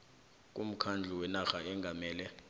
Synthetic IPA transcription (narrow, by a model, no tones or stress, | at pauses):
k̬ʼum̩kʰand͡ɮʱuwɛnaxaɛŋɡʱamɛːlɛ